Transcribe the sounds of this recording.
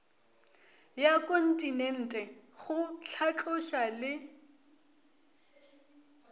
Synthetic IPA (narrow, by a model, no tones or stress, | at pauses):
jakʼon̩tʼinɛn̩ːtʼɛχʊɬʰat͡ɬʼʊʃalɪ